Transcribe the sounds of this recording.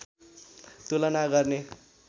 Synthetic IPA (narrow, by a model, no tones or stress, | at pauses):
t̪ulʌnaɡʌrne